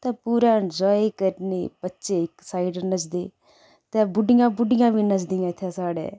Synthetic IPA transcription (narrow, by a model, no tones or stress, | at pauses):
t̪ɛ̃ːpuːɾãːɪnd͡ʒɔːiiːkəɾneːbətːʃeːɪksaːɪɖnət͡ʃd̪eː | t̪ɛ̃ːbʊɖɪjãːbʊɖɪjãːbiːnət͡ʃd̪ĩjãːɪt̪ʰːaːsaːɽḛː